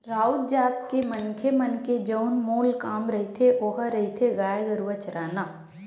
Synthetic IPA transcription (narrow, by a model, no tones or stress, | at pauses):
ɾaːud̪d͡ʒaːt̪kemɐnkʰemɐnked͡ʒəʊnmoːlkaːmɾɐɦit̪ʰeʔoːɦaɾɐɦit̪ʰeɡaːjɡɐɾuʋət͡ʃəɾaːnaː